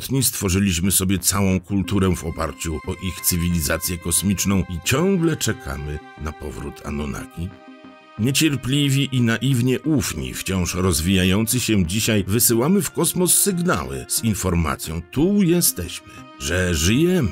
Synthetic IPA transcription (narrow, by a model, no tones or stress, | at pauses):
t̪ɲist̪fɔʐɘlʲiɕmɘsɔbʲjɛt̪sawɔ̃w̃kult̪uɾɛvɔ̰pa̰ɾt͡ɕuɔʔixt̪sɘvʲilʲizat̪sʲjɛkɔsmʲit͡ʂnɔ̃w̃it͡ɕɔ̃ŋɡlɛt͡ʂɛkʰa̰mɘ | napɔvɾut̪ʰa̰nɔna̰kʲi | ɲɛt͡ɕɛɾpʲlʲivʲiʔinaʔivɲɛʔufɲḭft͡ɕɔ̃w̃ʂɾɔzvʲijajɔnt̪sɘɕɛd͡ʑiɕajvɘsɘwamɘfkɔsmɔsːɘɡna̰wɘ̰z̥infɔɾma̰t̪sʲjɔ̃w̃t̪ujɛst̪ɛɕmɘ | ʐɛʐɘjɛm